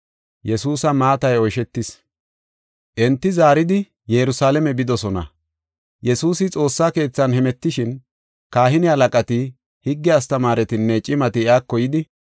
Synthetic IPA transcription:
jɛsuːsɐmaːt̪ɐjɔjʃɛt̪ːɪs | ʔɛnt̪ːɪzaːɾɪd̪ɪ | jɛɾʊsaːlɛmɛbɪd̪ɔsɔnɐ̰ | jɛsuːsɪt͡sʼo̞ːsːaːke̞ːt͡sːɐnhɛmɛt̪ːɪʃɪn | kaːhɪnɪhɐlɐkʼɐt̪ɪ | hɪɡːɛɐst̪ɐmaːɾɛt̪ɪnːɛt͡ʃʼɪmɐt̪ɪɪaːkːɔjɪd̪ɪ

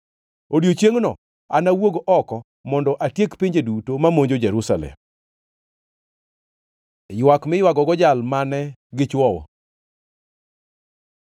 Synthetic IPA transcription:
odjot͡ʃjeŋnɔ̰ | anawoɡoʔɔkɔ | mɔndɔʔatjekpiɲd͡ʒedutomamoɲd͡ʒod͡ʒɛɾusalɛ̰m | jwakmɪjwaɡɔɡɔd͡ʒalmanɛɡɪt͡ʃwɔwɔ̰

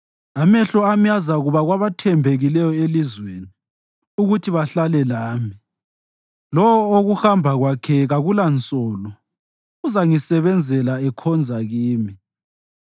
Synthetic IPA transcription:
amɛɬɔamijazaɣuβaɣwaβatʰɛmbʱeɣilɛjɔelizweːni | uɣutʰiβaɬalɛlaːmi | lɔwɔoɣuxambʱaɣwakʰɛɣaɣulant͡sʼɔlɔ | uzaŋisɛβɛnd͡zʱɛlaɛkʰɔnd͡zʱaɣiːmi

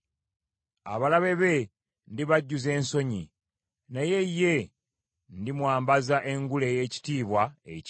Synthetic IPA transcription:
a̰βalaβe̞βe̞ | ndiβaɟːuze̞ːnso̞ɲḭ | naje̞jːe̞ | ndimwaːmbazaʔe̞ŋɡule̞je̞ːci̥tiːβwaḛc

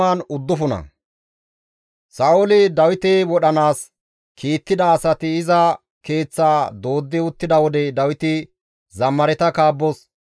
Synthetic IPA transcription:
aːnʊd̪ːʊfʊnɐ̰ | sɐʔʊlɪd̪ɐwɪt̪ɛwɔɗɐnaːs | kʰiːt̪ːɪd̪ɐːsɐt̪ɪɪzɐ | ke̞ːt͡sːaːd̪o̞ːd̪ːɪʊt̪ːɪd̪ɐwɔd̪ɛd̪ɐwɪt̪ɪ | zɐmːɐɾɛt̪ɐkaːbːɔs

